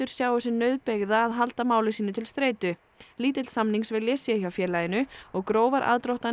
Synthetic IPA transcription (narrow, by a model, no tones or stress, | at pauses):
ʏɾ̥sjaːwʏsɪnœɥðpeɣðaːðɦalt̪amaːwlɪsiːnʏt̪ʰɪlst̪ɾeːjt̪ʏ | liːt̪ɪt̪lsamniŋksvɪljɛːsjɛçawfjɛːlajɪnʏɔɣkɾoːwvaɾʔa̰ːðt̪ɾowht̪a